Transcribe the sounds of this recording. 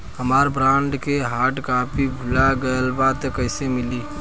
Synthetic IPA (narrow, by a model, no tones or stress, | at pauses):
ɦəmaɾbɾãɳɖkeɦaʈkapʰibʱulaɡəəlbad̪kəɪsemili